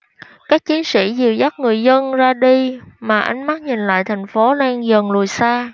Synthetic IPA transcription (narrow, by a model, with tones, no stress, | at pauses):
kaː˦˥k̚t͡ɕi˨˦ənsḭ˧˩zɨ˨˩əwza˦˥t̚ŋɨ˨˩əjzə˧nzaː˧ɗi˧maː˨˩ʔa˨˧˦jŋ̟ma˦˥k̚ɲi˨˩nla̰ː˧˨jt̪ʰa˨˩jŋ̟fo˨˦lɛ˧ŋzə˨˩nlu˨˩əjsaː˧